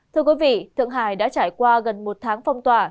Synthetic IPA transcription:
t̪ʰɨ˧əkwi˨˦vḭ˧˨t̪ʰɨ̰˧˨əŋɦaː˧˩jɗa̰ː˧˥t͡ɕaː˧˩jkwaː˧ɣə˨˩nmo˨˩t̚t̪ʰaː˨˦ŋfa˧wŋ͡mt̪waː˨˩

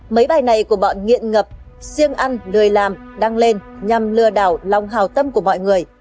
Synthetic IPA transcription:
mə˨˦jɓaː˨˩jna˨˩jku˧˩əɓɔ̰˧˨nŋḭ˧˨ənŋə˨˩p̚ | si˧əŋʔa˧nlɨ˨˩əjlaː˨˩mɗa˧ŋle˧nɲa˨˩mlɨ˨˧˩əɗaː˧˩wla˨˩wŋ͡mɦaː˨˩wt̪ə˧mku˧˩əmɔ̰˧˨jŋɨ˨˩əj

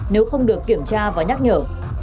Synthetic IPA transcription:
ne˨˦wxə˧wŋ͡mɗɨ˨˩əkːi˧˩əmt͡ɕaː˧vaː˨˩ɲa˦˥k̚ɲəː˧˩

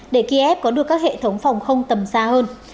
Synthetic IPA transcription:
ɗe˧˩ki˧ʔɛ˦˥p̚kɔ˨˦ɗɨ˨˩əkːaː˦˥k̚hḛ˧˨t̪ʰə˨˦wŋ͡mfa˨˩wŋ͡mxə˧wŋ͡mt̪ə˨˩msaː˧həː˧n

